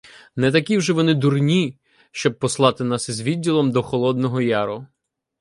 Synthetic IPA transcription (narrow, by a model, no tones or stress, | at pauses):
nɛt̪ɐkʲiwʒɛʋɔnɪd̪urnʲi | ʃt͡ʃɔb̚pːɔslˠɑt̪ɪnɑsizʋʲidʲːilˠɔmd̪ɔxɔlˠɔd̪nɔɦɔjɑɾʊ